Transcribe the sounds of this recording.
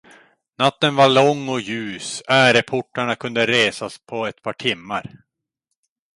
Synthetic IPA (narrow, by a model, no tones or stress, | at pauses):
nat̪ːənvaɭɔŋːɔjʉ̟ːsæːɾɛpʰʊʈːaɳakʰɵnd̪əɾeːsaspʰɔɛt̪̚pʰɑːʈʰɪmːaɾ